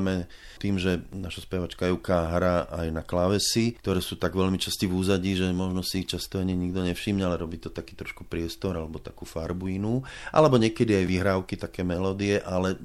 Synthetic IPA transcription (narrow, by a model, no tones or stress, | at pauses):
mɛ | t̪iːmʒɛnaʃaspɛʋat͡ʃkajɛukaɦɾaʔajnaklaʋɛsikt̪ɔɾɛːsuːt̪aɡʋɛlmit͡ʃascivuːzaɟiːʒɛmɔʒnɔsit͡ʃast̪ɔaɲiɲiɡd̪ɔɲɛfʃiːmɲɛalɛɾɔbiːt̪ɔt̪akiːt̪ɾɔʃku̥pɾɪɛst̪ɔɾalɛbɔt̪akuːfaɾbuinuʔa̰lɛbɔɲɪɛkɛd̪iajʋiɦɾaːʊkit̪akɛːmɛlɔːd̪iɛʔalɛ